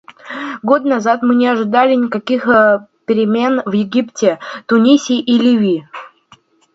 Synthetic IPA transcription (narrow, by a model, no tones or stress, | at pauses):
ɡot̪nɐzat̪mɨnʲɪɐʐɨd̪alʲɪnʲɪkɐkʲixpʲɪɾʲɪmʲe̞nvjɪɡʲiptʲɪt̪ʊnʲisʲiʔilʲivʲi